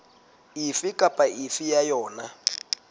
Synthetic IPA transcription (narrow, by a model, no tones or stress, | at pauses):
ifikʼapʼaʔifijajɔːna